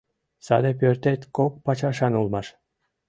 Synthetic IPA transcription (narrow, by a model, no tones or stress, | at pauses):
sɑ̰d̪ep̬ʲørt̪et̪ʲkok̚pɑt͡ɕɑʃɑnulˠmɑʃ